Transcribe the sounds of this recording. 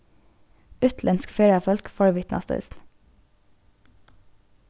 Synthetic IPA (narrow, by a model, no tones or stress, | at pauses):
ʉt̪ʰlʔɛnskfeːɹɑfɔlkfɔɹʋɪt̪nɑ̰st̪œ̰ːsn̩